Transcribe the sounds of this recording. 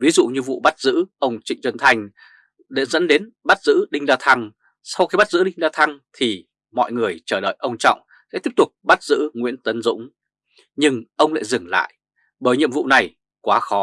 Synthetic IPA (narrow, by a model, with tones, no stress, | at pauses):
vi˨˦zṵ˧˨ɲɨ˧vṵ˧˨ɓa˦˥t̚zɨ̰˧˥ʔə˧wŋ͡mt͡ɕï˧˨ŋ̟t͡ɕwə˧nt̪ʰa˧jŋ̟ | ɗe˧˩zə̰˧˥nɗe˨˦n | ɓa˦˥t̚zɨ̰˧˥ɗï˧ŋ̟zaː˧t̪ʰa˧ŋ | sa˧wxi˧ɓa˦˥t̚zɨ̰˧˥ɗï˧ŋzaː˧t̪ʰa˧ŋt̪ʰi˨˩ | mɔ̰˧˨jŋɨ˨˩əjt͡ɕəː˧˩ɗə̰ː˧˨jʔə˧wŋ͡mt͡ɕɔ̰˧˨wŋ͡m | sɛ̰˧˥t̪i˦˥əp̚t̪ʊ˨˩k͡p̚ɓa˦˥t̚z̥ɨ̰˧˥ŋwḭ˧˥ənt̪ə˨˦nzʊ̰˧˥ŋ͡m | ɲɨ˧ŋʔə˧wŋ͡mla̰ː˧˨jzɨ˨˩ŋla̰ː˧˨j | ɓəː˧˩jɲḭ˧˨əmvṵ˧˨na˨˩j | kwaː˨˦xɔ˨˦